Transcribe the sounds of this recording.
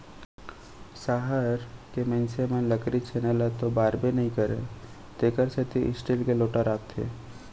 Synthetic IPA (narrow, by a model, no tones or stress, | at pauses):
saːɦəɾkemɛ̃ːnsemə̃nləkɾit͡ʃʰenəlat̪obaːɾbenɐɦĩkəɾḛ | t̪eːkəɾset̪iʔɪ̰sʈiːlkeloːʈaɾaːp̚t̪ʰːḛː